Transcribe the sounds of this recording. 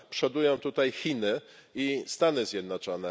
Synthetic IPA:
pʂɛd̪ujɔ̃w̃t̪ut̪ajxʲinɘ | ist̪anɘzʲjɛd̪nɔt͡ʂɔnɛ

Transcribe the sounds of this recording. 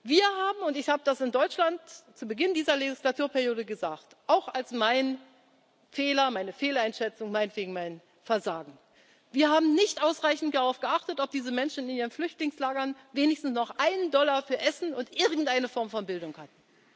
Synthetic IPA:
viːɐɦaːbm̩ʊntɪçhaːbədasɪndɔʏt͡ʃlantt͡suːbəɡɪndiːzɐleɡɪslatʰuːɐpʰɛɐʁjoːɾəɡəzaːktʔaʊxalsmaɪn | feːlɐmaɪnəfeːlaɪnʃɛt͡sʊŋmaɪnətv̥eːɡŋ̩maɪn | fɛɐzaːɡŋ̩ | viːɐhaːbm̩nɪçtʔaʊsʁaɪçn̩td̥aʁaʊfɡ̥əʔaχtətɔp̚d̥iːzəmɛnʃn̩ɪniːʁənflʏçtlɪŋslaːɡɐnveːnɪçstn̩snɔχʔaɪnəndɔlɐfyːɐʔɛsn̩ʊntʔɪɐɡŋ̩tʔaɪnəfɔɐmfɔnbɪldʊŋhat̚n̩

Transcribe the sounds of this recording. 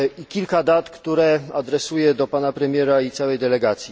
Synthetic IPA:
ikʲilkad̪at̪kt̪uɾɛad̪ɾɛsujɛd̪ɔpanapɾɛmʲjɛɾait̪sawɛjd̪ɛlɛɡat̪sʲji

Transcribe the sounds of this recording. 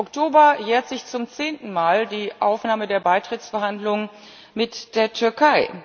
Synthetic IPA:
ɔktʰoːbɐjeːɐtz̥ɪçt͡sʊmt͡seːntn̩maːldiːʔa̰ʊfnaːmədeːɐbaɪtʁ̥ɪtt͡sfɛɐhandlʊŋən | mɪtd̥eːɐtʰʏɐkʰaɪ

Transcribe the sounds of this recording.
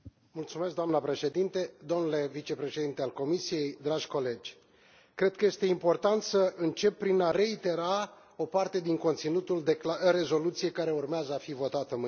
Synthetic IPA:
mult̪sume̞s̬k̚d̪oamnəpɾe̞ʃe̞d̪int̪ed̪o̞mnule̞vit͡ʃe̞pɾe̞ʃe̞d̪int̪ealko̞misije̞jd̪ɾaʒʲko̞le̞d͡ʒʲ | kɾe̞d̪̚kəje̞st̪e̞impo̞rt̪ant̪səʔɨnt͡ʃe̞pːɾinare̞it̪e̞ɾa | o̞part̪e̞d̪iŋko̞nt̪sinut̪uld̪eɾe̞zo̞lut̪sije̞kaɾe̞urmeazəafivo̞t̪at̪əmɨ

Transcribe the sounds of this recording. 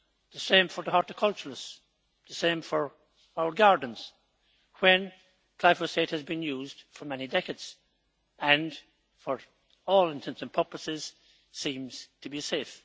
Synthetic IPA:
ðəsẽɪ̃ɱfə˞ðiɑɹtɨkʰʌlˠt͡ʃəɹəs | ðəsẽɪ̃ɱfə˞ | aʊə˞ɡaɹdⁿn̩z̥ | wɨ̃n | kʰl̥aɪfəsteɪt̚hɨzbɨ̃njuːzd̥fə˞mɛnidɛkɨdz̥ | ʔə̃n | fəɹ | ɔːlˠɪ̃ntʰɛ̃nsɨ̃npʰɜ˞pəsɪz̥ | sĩmz̥tʰəbiseɪf

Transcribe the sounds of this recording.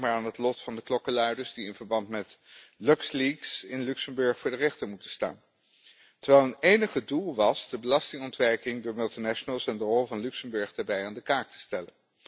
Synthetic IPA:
maːɹaːnɦətlɔtfɑndəklɔkəlœɥdəɹzdiɪnvəɹbɑntmɛtlœksliksɪnlʉksəmbɵɹχfʊːɹdərɛχtəɹmutəsta̰ːn | təɹʋɛlˠənejnəχədulˠʋɑsdəbəlɑstɪŋɔntʋɛɹkɪŋdʊːɹmɵlˠtinaʃənəlˠsɛndərɔlˠvɑnlʉksəmbɵɹχdaːbɛjaːndəkaːk̚tʰə̥stɛlən

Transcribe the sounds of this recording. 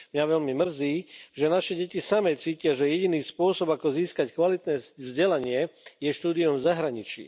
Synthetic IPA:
mɲaʋɛʎmimr̩ziːʒɛnaʃɛɟɛcisamɛt͡siːcɪaʒɛjɛɟiniːspʊɔsɔbakɔziːskackʋalit̪nɛːvzɟɛlaɲɪɛjɛʃt̪uːd̪iɔmvzaɦɾaɲit͡ʃḭː

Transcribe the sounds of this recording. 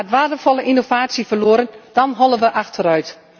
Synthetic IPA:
tʋaːtəfɔlˠəʔinovaːtsifərloəɾənd̥ɑnɦɔlˠəʋəʔaxtʰərœɥt

